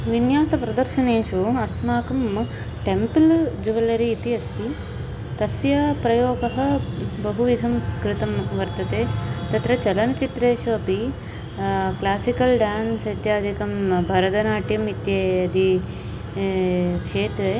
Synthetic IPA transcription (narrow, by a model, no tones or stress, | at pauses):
ʋinjaːsɐpɾɐd̪ɐɾʃɐneːʃuɐsmaːkɐm | ʈempild͡ʒuʋɐlɐɾiːt̪iɐst̪i | t̪ɐsjɐpɾɐjoːɡɐɦɐ̆bɐɦuʋid̪ʱɐmkɾɪt̪ɐmʋɐɾt̪ɐt̪eːt̪ɐt̪ɾɐt͡ʃɐlɐnɐt͡ʃit̪ɾeːʃuɐpi | klaːsikɐlɖaːnsɐjt̪jaːd̪ʱikɐmbʱɐɾɐd̪ɐnaːʈjɐmit̪jeːɐd̪ʱi | kʂeːt̪ɾe